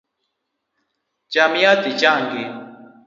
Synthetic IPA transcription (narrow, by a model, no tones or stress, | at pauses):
t͡ʃamiat̪it͡ʃaŋɡe